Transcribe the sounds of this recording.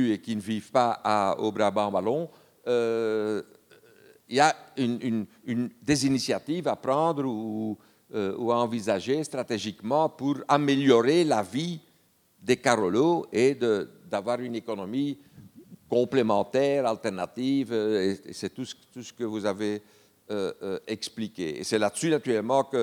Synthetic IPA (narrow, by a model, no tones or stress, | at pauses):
yekʲinəvivpaao̰bɾabɑ̃balɔ̃ | ø | ilaynynynd̪ezinisjat̪ivapɾɑ̃d̪ʁuu | øuaɑ̃vizaʒest̪χat̪eʒikmɑ̃puʁameljɔʁelavi | d̪ekaʁoloed̪əd̪avwaʁynekɔnɔmi | kɔ̃plemɑ̃t̪ɛʁalt̪ɛʁnat̪iveḛsɛt̪ust̪usə̥kəvuzave | øɛksplikʲeḛsɛladəsynat̪yʁɛlmɑ̃kə